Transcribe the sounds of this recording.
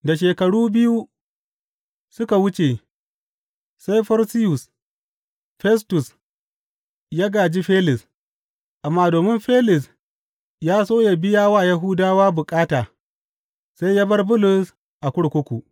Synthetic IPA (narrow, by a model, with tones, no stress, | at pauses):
da˨ʃeː˨kɐ˨ɽuː˦bɪ˦ju˦ | sʊ˦ka˨wʊ˦t͡ʃe˨ | sa˦jɸɐ˦ɾsɪ˦jʊ˨s | ɸɛ˦stʊ˨s | ja˦ɡaː˨d͡ʒi˦ɸeː˦lɪ˨s | ʔa˨mːaː˦doː˨mɪ˦mɸe˦lɪ˨s | jaː˦soː˦ja˦bɪ˦jaː˦waː˦˨ja˦ɦʊ˦daː˦waː˦bʊ˨kʼaː˦taː˨ | sa˦jja˦bɐ˦rbʊ˦lʊ˨s | ʔa˨kʷʊ˦ɽkʷʊ˦kʷu˨ʔ